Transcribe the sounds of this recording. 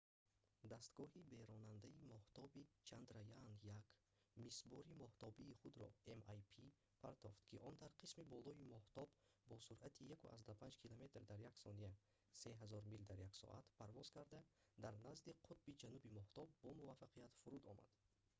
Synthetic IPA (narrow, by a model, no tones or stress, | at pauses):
d̪ast̪ɡɔhibeɾɔnand̪aimɔht̪ɔbit͡ʃʰand̪ɾajanjak | misbɔɾimɔht̪ɔbiːχud̪ɾɔ̰emajpʰi | pʰa̰ɾt̪ʰɔft̪kʰiʔɔnd̪aɾqʰismibɔlɔimɔht̪ɔbːɔsuɾat̪ʰijakṵʔa̰zd̪apʰand͡ʒkʰilome̞t̪ɾd̪aɾjaksɔnia | se̞ɦazɔɾmild̪aɾjaksɔ̰ʔa̰t̪pʰaɾvɔzkʰaɾd̪ad̪aɾnazd̪iqʰut̪̚bid͡ʒanubimɔht̪ɔb̚ːɔmuvafaqʰijat̪fuɾud̪ɔma̰d̪̥